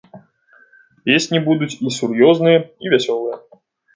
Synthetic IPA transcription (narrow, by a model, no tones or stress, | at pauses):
pʲesʲnʲibud̪ut͡sʲisurjɔznɨjɐivʲasʲɔlˠɨjɐ